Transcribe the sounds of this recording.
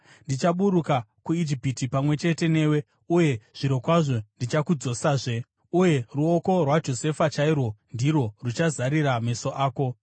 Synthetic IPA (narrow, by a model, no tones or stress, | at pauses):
ndit͡ʃaɓuɾukakuid͡ʒipitipamwe̞t͡ʃe̞te̞ne̞ːwe̞ | uje̞ʐ̥iɾo̞kwaʐo̞ndit͡ʃakud͡zo̞saːʐe | uje̞ruoko̞rwad͡ʒo̞se̞fat͡ʃairwo̞ndiɾo̞rut͡ʃazaɾiɾame̞so̞ʔaːko̞